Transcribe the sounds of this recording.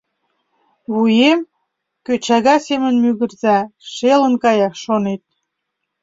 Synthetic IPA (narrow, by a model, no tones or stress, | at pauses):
βujem | køt͡ɕɑɣɑsemənmyɣə̆rzɑʃelənkɑjɑkʃonet̪̚